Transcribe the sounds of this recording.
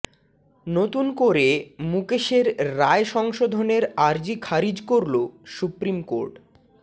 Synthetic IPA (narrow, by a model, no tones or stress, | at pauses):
not̪unkoɾemukeʃeɾːaeʃɔŋʃod̪ʱoneɾaɾd͡ʑikʰaɾid͡ʑkoɾlosupɾimko̰ɾʈ